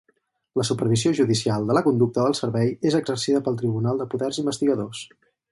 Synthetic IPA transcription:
ləsupəɾβ̞izioʒuðisialˠd̪ələkund̪uk̚t̪əðəlˠsəɾβɛjezəɡzərsiðəpəlˠt̪ɾiβunalˠd̪əpuðɛrzimbəst̪iɣəðos

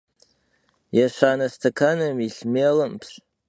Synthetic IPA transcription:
jaʃʷaːnastʰakʰanɨmiɬmelɨmpʰs

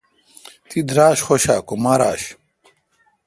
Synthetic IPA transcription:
t̪id̪ɾaːɕχoɕaːkomaɾa̰ːɕ

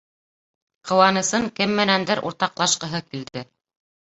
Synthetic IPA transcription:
qʰɤ̆wɑnɤ̆sɤŋkɘmːɘ̆nænd̪ɘɾʔṵɾt̪ɑqlˠɑʃqɤ̆ɦɤkild̪ɘ

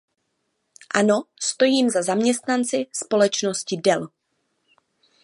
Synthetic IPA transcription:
ʔanost̪o̞jiːmzazamɲɛst̪nant͡sɪspo̞lɛt͡ʃno̞scɪdɛl

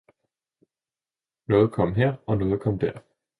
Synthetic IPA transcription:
nɔ̽ːð̩ˠkʰɒ̽m̰ɦeɐ̰ɒ̽nɔ̽ːð̩ˠkʰɒ̽md̥æɐ̰

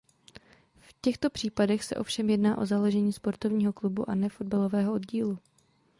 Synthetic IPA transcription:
fcɛxt̪o̞pr̝̥iːpadɛxsɛ̰ʔo̞fʃɛmjɛdnaːʔo̞̰zaloʒɛɲiːspo̞ɾt̪ovɲiːɦo̞klubṵʔanɛfo̞d̚balovɛːɦoʔo̞dɟiːlu

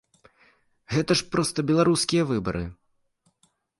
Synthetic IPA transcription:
ɣɛt̪ɐʂpɾɔst̪ɐbʲɛlˠaɾuskʲijɐvɨbɐ̰ɾɨ̰

